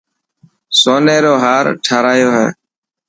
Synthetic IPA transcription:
soːneːɾoːɦaːɾʈʰaːɾaːjoːɦɛ̰ː

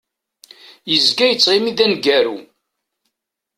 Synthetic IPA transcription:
jəzɡæjət͡sˤːʁimiðænɡæɾu

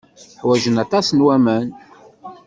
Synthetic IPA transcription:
ħwæʒənɑt̪ˤɑsnwæmæn

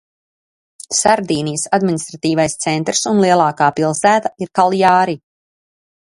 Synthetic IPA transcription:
saɾd̪iːnijsad̪minist̪ɾat̪iːvajst̪sɛnt̪ɾsunlˠiɛlˠaːkaːpilˠsæːt̪aiɾkalˠjaːɾi

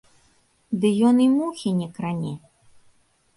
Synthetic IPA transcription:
d̪ɨjɔnimuxʲinʲɛkɾanʲɛ

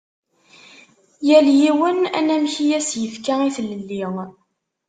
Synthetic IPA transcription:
jæljiwənæ̰næmçijæsjəfkaiθəlːəlːiʁ

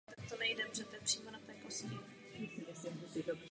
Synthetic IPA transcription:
t̪akt̪onɛjdɛbrɛt̪ɛpr̝̥iːmonat̪ɛːkoscɪ | jasɪmɪsimusidab

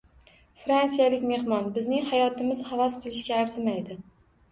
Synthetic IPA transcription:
fɾansijalɪkʲme̞hmɒnbɪznɪŋhajɒt̪ʰɪmɪz̥havasqʰɨlˠɪʃɡʲaːɾzɪmajd̪ɪ

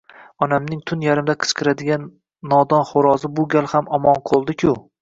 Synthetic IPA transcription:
ɒnamnɪŋt̪ʰʊnjaɾɪmd̪aqʰɨ̥sqʰɨɾad̪ɪɡʲanː | ɒd̪ɒnχoɾɒzɪbʊɡʲalˠhamɒmɒnqʰolˠd̪ɪkʲʰʊ

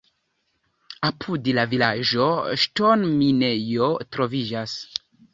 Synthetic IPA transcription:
apʰudelavilad͡ʒo̞ʃtonmine̞jo̞tɾo̞vid͡ʒas

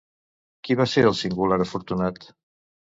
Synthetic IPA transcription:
kiβaseɾəlˠsiŋɡulaɾəfuɾt̪unat̪

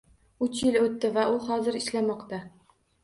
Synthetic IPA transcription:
ʊt͡ʃjɪlɵt̪ːɪvaʔʊhɒzɪɾɪʃlamɒqt̪a

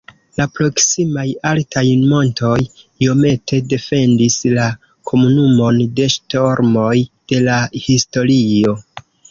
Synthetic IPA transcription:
lapɾo̞ksimajaltʰajmo̞ntʰo̞j | io̞me̞te̞de̞fe̞ndisla | kʰo̞munumo̞nde̞ʃto̞ɾmojd̥e̞lahisto̞ɾio̞

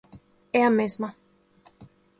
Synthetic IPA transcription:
eamezma

